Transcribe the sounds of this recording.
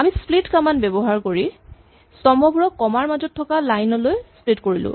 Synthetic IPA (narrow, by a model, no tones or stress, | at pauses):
amisplitkamanbɛbɔɦaɹkoɹi | sɔmɔbuɹɔkːɔmaɹmazɔtʰːɔkalajnɔlojsplitkoɹilʊ̰̃